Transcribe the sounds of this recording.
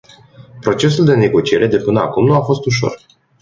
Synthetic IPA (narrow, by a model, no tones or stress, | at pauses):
pɾo̞t͡ʃe̞s̬uld̪e̞ne̞ɡo̞t͡ʃie̞ɾe̞d̪e̞pɨnəa̰kumnuafo̞st̪uʃ̬o̞̰r